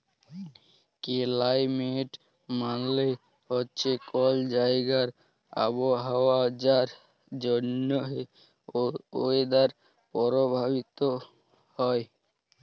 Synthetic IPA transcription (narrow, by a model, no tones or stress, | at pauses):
kelajmeʈ | manle | ɦotːɕʰekɔld͡ʑaeɡaɾ | a̰boɦaoad͡ʑaɾ | d͡ʑonːoɦe | oed̪aɾ | pɔɾobʱabit̪o | hɔe